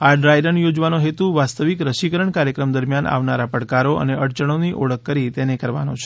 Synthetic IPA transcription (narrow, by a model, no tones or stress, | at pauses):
aɖɾajɾənjod͡ʒʋanoɦet̪uʋast̪əʋikɾəʃikəɾəɳkaɾjəkɾəmd̪əɾmjanʔa̰ʋnaɾapəɽkaɾoə̰neʔəɽt͡ʃəɽ̃oniʔoɭəkːəɾit̪enekəɾʋa̰not͡ʃʰe̥